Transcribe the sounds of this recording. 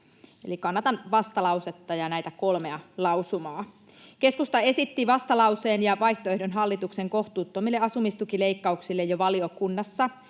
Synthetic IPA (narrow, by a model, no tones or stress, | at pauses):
ḛlikɑnːɑt̪ɑnʋɑst̪ɑlɑwset̪ːɑjɑnæit̪æko̞lmeɑlɑwsumɑː | ke̞skust̪ɑe̞sit̪ːiʋɑst̪ɑlɑuseːnjɑʋɑjçt̪oehdonɦɑlːit̪ukseŋko̞ht̪uːt̪ːomilːeɑsumist̪ukile̞ikːɑuksilːejoʋɑliokunːɑsːɑ